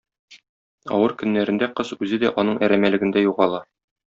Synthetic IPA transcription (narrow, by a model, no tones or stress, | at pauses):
ɒ̰wɤɾkɵ̆nːæɾɘ̆nd̪æqɤzʉzɘd̪æʔɒnɤɴʔæɾæmælɘ̆ɡɘ̆nd̪æjuʁɑlˠɑ